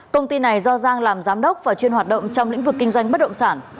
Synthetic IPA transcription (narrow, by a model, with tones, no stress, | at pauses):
kə˧wŋ͡mt̪i˧na˨˩jzɔ˧zaː˧ŋlaː˨˩mzaː˨˦mɗə˦˥wk͡p̚vaː˨˩t͡ɕwi˧ənha˨˩t̚ɗə̰˧˨ŋ͡mt͡ɕɔ˧wŋ͡mlḭ˧˥ŋ̟vɨ˨˩kːï˧ŋ̟zwa˧jŋ̟ɓə˦˥t̚ɗə̰˧˨ŋ͡msaː˧˩n